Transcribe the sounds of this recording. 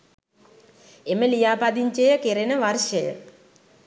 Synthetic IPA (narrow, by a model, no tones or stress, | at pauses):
emelijaːpɐd̪iɲt͡ɕejɐkeɾenɐʋɐrʂɐjɐ̰